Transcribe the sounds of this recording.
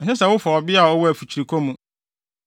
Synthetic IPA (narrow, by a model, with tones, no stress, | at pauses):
ɛn˨sɛ˦sɛ˨wʊ˦fɔ˨ɔ˨bɪ˦a˨ɔ˦wɔ˦æ˨fu˨t͡ɕʰi˨ɾi˨kʰɔ˦mũ˨